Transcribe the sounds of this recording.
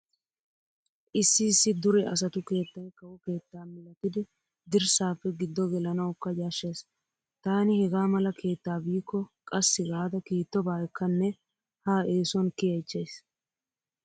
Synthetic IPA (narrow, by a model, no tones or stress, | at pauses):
ʔɪsːɪːsːɪd̪ʊɾɛʔɐs̬ɐt̪ʊke̞ːt̪ːɐnkɐwɔke̞ːt̪ːaːmɪlːɐt̪ɪd̪ɪ | d̪ɪɾsaːpːɛɡɪd̪ːɔɡɛlɐnɐwkːɐd͡ʒaːʃːeːs | t̪aːnɪhɛɡaːmɐlɐkʰe̞ːt̪ːaːbiːkːɔkʼɐsːɪɡaːd̪ɐkiːt̪ːɔbaːɛkːɐnːɛ | haːʔe̞ːsɔnkɪjɐt͡ʃːeːs